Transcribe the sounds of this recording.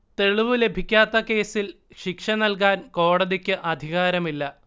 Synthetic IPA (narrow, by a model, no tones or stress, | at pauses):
t̪e̞ɭiʋɨle̞bʱikʲːaːt̪ːɐke̞ːsil | ɕikʂɐnɐlk̬aːnko̞ːɽɐðikʲːɨʔɐd̪ʱiɣaːɾɐmilːɐ